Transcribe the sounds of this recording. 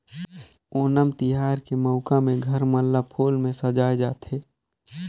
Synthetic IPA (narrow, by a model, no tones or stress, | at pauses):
oːnəmt̪ɪɦaːɾkeməʊkamẽɡʱəɾmə̃lːapʰoːlmẽsəd͡ʒaːed͡ʒaːt̪ɦeː